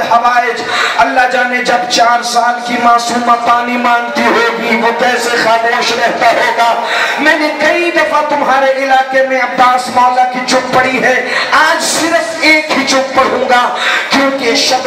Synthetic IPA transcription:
ɦɐʋaːɪd͡ʒɐlːad͡ʒaːned͡ʒɐbt͡ʃaːɾsaːlkimaːsuːmãpaːnimãːnt̪iɦoːɡiʋokɛːsexaːmoːʃɾɛɦt̪aɦoːɡaːmɛ̃ːnekɐid̪ɐfat̪ʊmɦaːɾeʔɪlaːkemẽɐpaːsmaːlakit͡ʃʊkpɐɽiɦɛːaːd͡ʒsɪɾəfeːkɦit͡ʃʊk̚pɐɽɦũːɡaːkjõːkeʃɐb

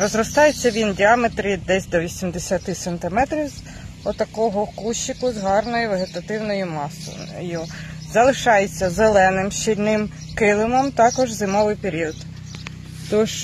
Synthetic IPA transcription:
rɔzrɔst̪ɑjet͡sʲːɐʋʲindʲiɑmet̪ɾid̪ɛsʲd̪ɔʋʲisʲimd̪esʲɐt̪ɪsɐnt̪ɪmɛt̪ɾʲiwz | ɔt̪ɐkɔɦɔkuʃɪkʊzɦɑrnɔjʊʋeɦet̪ɐt̪ɪwnɔjʊmɑsɔ̰juzɐlˠɪʃɑjet͡sʲːɐzelˠɛnɪmʃt͡ʃilʲnɪm | kɪlˠɪmɔmt̪ɑkɔʒzɪmɔʋɪjpeɾʲiɔd̪ | t̪ɔʃ

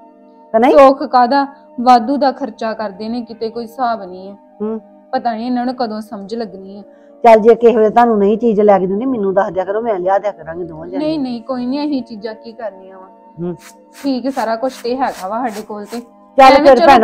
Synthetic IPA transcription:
t̪ənəĩoːkʰkaːd̪aː | ʋaːd̪uːd̪aːkʰəɾt͡ʃaːkəɾd̪eːnẽːkɪt̪eːkoːiːsaːbnĩːɛː | ɦ | pət̪aːnĩːnənːkəd̪õːsəməd͡ʒləɡnĩːɛː | t͡ʃəld͡ʒeːkeɦeːlet̪ãːnũːnəĩːt͡ʃiːd͡ʒlɛːkd̪ĩːneːmɪnũːd̪aːd̪jaːkəɾõːmɛ̃ːlɪaːd̪jaːkəɾãːŋɡid̪õːãd͡ʒnəĩːnəĩːkoːiːniə̃ɦiːt͡ʃiːd͡ʒãːkiːkəɾniːãːãː | ʈʰiːksaːɾaːkʊt͡ʃʰt̪eːɦɛːkʰaːʋaːsaːɖeːkoːlt̪eː | t͡ʃəlːpeɾpɛːn

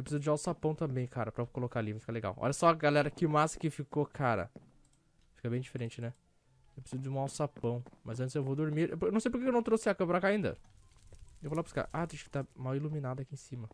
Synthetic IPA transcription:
ewpɾsizʊd͡ʒɪawt̪ʊsapɐ̃w̃t̪ɐ̃bẽj̃kʰaɾɐpɾɐkolokalivʊfikɐleɡa̰wɔ̰ʎɐsɔɐɡalɛɾɐkɪmaskɪfikokʰaɾɐ̰ | fi̥kɐbẽj̃d͡ʒifeɾẽnt͡ʃɪnɛ | ewpɾɪsizʊd͡ʒɪũawt̪ʊsapɐ̃w̃mɐzɐ̃t͡ʃɪzewvod̪oɾmiɾʔpɾenɐ̃sejpoɾkekewnɐ̃w̃t̪ɾosiakɐ̃mɐpɾakaĩnd̪ɐ̰ | ewvofalapɾska̰ʔat̪ẽj̃ʃʊ̥kɪ̥t̪amawiluminad̪ʊɐakiẽsĩmɐ

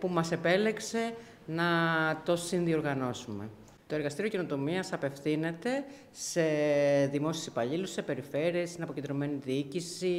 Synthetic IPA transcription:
pumɐse̞pe̞le̞kse̞ | nɐt̪o̞sinðio̞ɾɣɐno̞sume̞̰ | t̪o̞e̞ɾɣɐst̪iɾioceno̞t̪o̞miɐsɐpe̞fθine̞t̪e̞ | se̞ðimo̞siesi̥pɐʎilusse̞pe̞ɾife̞ɾie̞st̪inɐpo̞cend̪ɾo̞me̞niðiicisi

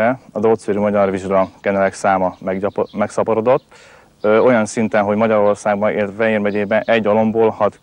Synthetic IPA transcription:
ɛɒd̪oːt̪seɾymɒɟɒrviʒɡlɒkɛnɛlɛksaːmɒmɛmɛksɒpoɾo̞d̪o̞t̪ː | øo̞jɒnsint̪ɛnɦo̞ɟmɒɟɒɾo̞rsaːɡ̚bɒnḛːlt̪fɛɦeːrmɛɟeːbɛnʔɛɟːolo̞mboːlhɒt̪

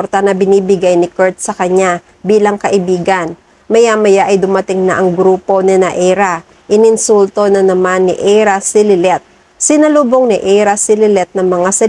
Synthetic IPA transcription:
ɾt̪ɐnɐbɪniːbɪɡajnɪkɛɹt̪̚sɐkɐɲa | biːlɐŋkɐʔɪbiːɡɐn | mɐjamɐjaʔɐjd̪ʊmɐt̪ɪŋnɐ̰ʔɐŋɡɾuːpo̞nɪnɐʔɛɾa | ʔɪnɪnsult̪onɐnɐmanːɪʔɛɾasɪlɪlɛt̪̚ | sɪnɐluːboŋnɪʔɛɾɐsɪlɪlɛt̪̚nɐŋmɐŋasɐ

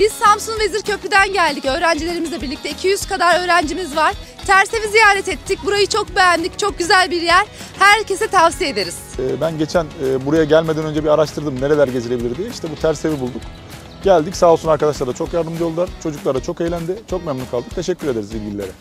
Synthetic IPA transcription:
b̥iz̥samsunve̞ziɾcʰø̞pyd̪ænɟælʲd̪icø̞ːɾænd͡ʒilʲe̞ɾimizlʲebiɾlʲict̪ɛicʰijyz̥kad̪aɾø̞ːɾænd͡ʒimizvaɾ̥ | t̪ʰæɾse̞vizijaːɾɛt̪ɛt̪ʰːic̚buɾajɯt͡ʃʰo̞k̚be̞jænd̪ʲict͡ʃʰo̞k̚ɟyzælʲbiɾjæɾ̥ | hæɾcʰe̞sɛt̪ʰavsijed̪eɾiz̥ɛːbænɟe̞t͡ʃʰænɛːbuɾajaɟælʲmed̪ænø̞nd͡ʒɛbiaɾaʃt̪ʰɯɾd̪ɯmne̞ɾe̞lʲæɾɟe̞zilʲebilʲiɾd̪ijɛiʃt̪ɛbut̪ʰæɾsevibulˠd̪uk | ɟ̥ælʲd̪icsaːlˠsunaɾkad̪aʃlˠaɾd̪at͡ʃʰo̞kjaɾd̪ɯmd͡ʒjolˠd̪ˠaɾt͡ʃʰo̞d͡ʒuklˠaɾd̪at͡ʃʰo̞kejlʲænd̪ɪt͡ʃʰo̞k̚mɛmnikʰalˠd̪ɯk̚t̪ʰe̞ʃɛcʲʰːyɾed̪e̞ɾizilʲɟililʲeɾɛ

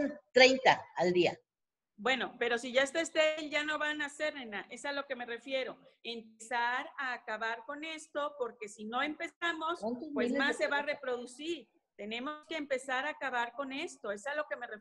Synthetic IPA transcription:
nt̪ɾejnt̪aald̪ia | bwe̞no̞pe̞ɾo̞siʝaest̪aest̪elʝano̞βanase̞ɾnenaʔe̞salo̞ke̞me̞re̞fje̞ɾo̞e̞mpesaɾaːkaβaɾko̞ne̞st̪o̞po̞ɾke̞sino̞e̞mpe̞samospwesmasːe̞βarepɾo̞ðusiɾ | t̪e̞ne̞mo̞ske̞ːmpe̞saɾaːkaβaɾko̞ne̞st̪o̞e̞salo̞ke̞mere

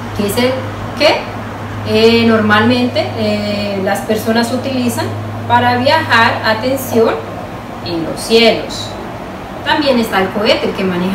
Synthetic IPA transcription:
kesel | ke | no̞ɾmalmẽ̞nt̪e̞ | laspe̞ɾso̞nasut̪ilisan | paɾaβjaxaɾat̪e̞nsjo̞n | enlo̰sːjelo̞̰s | t̪ambje̞ne̞st̪aelkoet̪elke̞mane

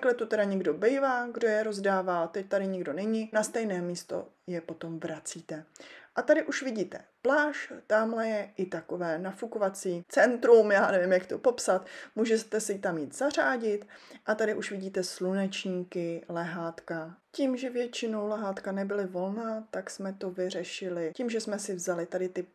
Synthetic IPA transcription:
klɛt̪ot̪ɛɾaɲɛɡdo̞bɛjvaːɡdo̞jɛɾo̞zdaːvaːt̪ɛc̚t̪aɾɪɲɪɡdo̞nɛɲɪnast̪ɛjnɛːmiːst̪o̞̰ | jɛpo̞t̪o̞mvɾat͡siːt̪ɛʔat̪adɪʔuʃvɪɟiːt̪ɛplaːʃt̪aːmlɛjɛʔɪt̪ako̞vɛːnafukovat͡siːt͡sɛnt̪ɾumjaːnɛvɪmjakt̪opo̞psat̪muːʒɛst̪ɛsɪt̪amjiːt̪z̥ar̝aːɟɪt̪ʔat̪adɪʔuʃvɪɟiːt̪ɛslunɛt͡ʃɲiːkɪlɛɦaːt̪kaciːmʒɛvjɛt͡ʃɪno̞wlɛɦaːt̪kanɛbɪlɪvo̞lnaːt̪aksmɛt̪o̞vɪr̝ɛʃɪlɪcimʒɛsmɛsɪvzalɪt̪adɪt̪ɪ

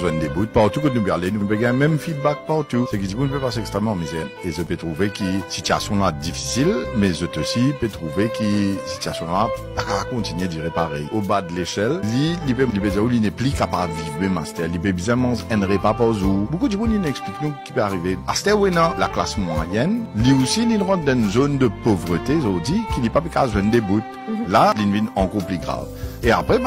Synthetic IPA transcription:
zwɛ̃nd̪ebut̪̚paʁt̪ukɔnubalenupɛɡɛ̃mɛmfid̪̚bak̚paʁt̪usɛk̬id̪ikũnpøpasɛɛkst̪ʁɛmɑ̃mizɛezøpøt̪ʁuvekisit̪ya̰sjɔ̃lad̪ifi̥silmɛzøt̪osipøt̪χuvekisi̥t̪yasjɔ̃lapakakɔ̃t̪inɥed̪iʁepaʁɛjobad̪əleʃɛllilipelipezɛ̃ulinɛplikapavivmema̰st̪ɛʁlipebzɛ̃mɑ̃zɛnʁepapɔzubokud̪ibuninɛkspliknuki̥pøaʁivea̰st̪ɛʁwenãla̰kla̰smwa̰jɛnliusininʁɑ̃t̪d̪ɛnzond̪əpovʁət̪ezɔd̪ikinipapikazwɛnd̪ebut̪ | lalinvinɑ̃kɔʁplyɡʁa̰vea̰pχɛ

